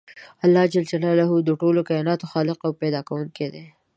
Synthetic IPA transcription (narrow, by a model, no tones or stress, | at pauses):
alːɑd͡ʒald͡ʒalɑlaɦud̪əʈolokajɑnɑt̪oxɑlɪqawpɛd̪ɑkawuŋked̪e